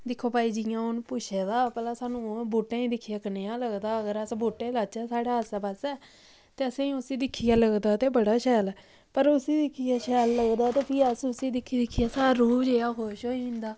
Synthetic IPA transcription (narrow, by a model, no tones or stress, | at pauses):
d̪ɪkʰːoːpaːiːd͡ʒɪjãːʊnpʊʃʰeːd̪aːpɛːlaːsaːnũːbuːʈːẽːĩːd̪ɪkʰːijaːkəneːaːləɡd̪aːəɡəɾəsbuːʈːeːlaːt͡ʃɛːsaːɽaːəsaːpəsɛː | t̪eːəsẽːĩʊsĩːd̪ɪkʰːijaːləɡd̪aːt̪eːbəɽaːʃɛːlɛː | pəɾʊsĩːd̪ɪkʰːijaːʃɛːlːəɡd̪aːt̪eːpʰiːəsʊsĩːd̪ɪkʰːiːd̪ɪkʰːɪjaːsaːaɾuːpd͡ʒeːaːkoːʃɦoːiɪ̃nd̪aː